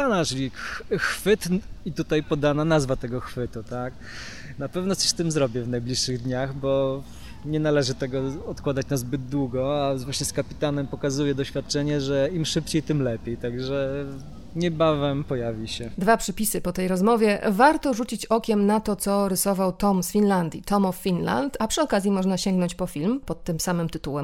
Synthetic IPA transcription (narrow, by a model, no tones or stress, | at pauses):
anat͡ʂlʲikxfɘt̪it̪ut̪ajpɔd̪ananazvat̪ɛɡɔxfɘt̪ut̪ak | napɛvnɔt̪sɔ̥ɕst̪ɘmzɾɔbʲjɛvnajblʲiʂːɘɣd̪ɲaxbɔ | ɲɛnalɛʐɘt̪ɛɡɔɔt̪kwad̪at͡ɕnazbɘd̪̚d̪wuɡɔavwaɕɲɛskapʲit̪anɛmpɔkazujɛd̪ɔɕfʲjat̪̚t͡ʂɛɲɛʐɛimʂɘpt͡ɕejt̪ɘmlɛpʲjejt̪aɡʐɛ | ɲɛbavɛmpɔjavʲiɕɛd̪vapʂɛpʲisɘpɔt̪ɛjɾɔzmɔvʲjɛvaɾt̪ɔʐut͡ɕit͡ɕɔkʲɛmnat̪ɔt̪sɔɾɘsɔvawt̪ɔmsfʲinland̪ʲjit̪ɔmɔfːʲinla̰nt̪apʂɘɔkazʲjimɔʐnaɕɛŋɡnɔɲt͡ɕpɔfʲilmpɔt̪ːɘmsamɘmt̪ɘt̪uwɛm